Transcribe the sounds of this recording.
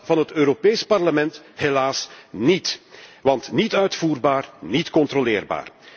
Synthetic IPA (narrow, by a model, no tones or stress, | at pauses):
vɑnɦətøːɾopeːspɑrləmɛntɦelaːsnitʋɑntnitœɥtfuːrbaːrnitkɔntrolɪːrba̰ːr